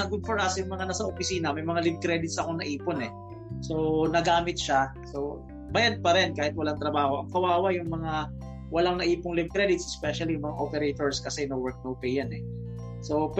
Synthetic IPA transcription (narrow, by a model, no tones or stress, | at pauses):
ɐɡʊd̪̚foɹʔasjʊŋmɐŋanɐsaʔopɪsiːnɐmɐjmɐŋalɪv̚kɾɛd̪ɪt̪sʔɐko̞nɐʔiːponɛ | so̞nɐɡaːmɪt̪̚ʃa | so | bajad̪̚pɐɾɛnkaːhɪt̪̚wɐlaŋt̪ɾɐbaːho̞ʔɐŋkɐwaːwajʊŋmɐŋa | wɐlaŋnɐʔiːpʊŋlɪbkɾɛd̪ɪt̪sʔɛspɛʃɐlijʊŋmɐŋaʔopɛɾejt̪oɹskɐsɛnɐwɛɹk̚nɐopɛjanɛ | sop